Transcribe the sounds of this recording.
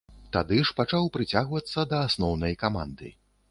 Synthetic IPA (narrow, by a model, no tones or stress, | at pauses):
t̪a̰d̪ɨʂpat͡ʂawpɾɨt͡sʲaɣvɐt̪sːɐd̪ɐːsnɔwnɐjkama̰nd̪ɨ̰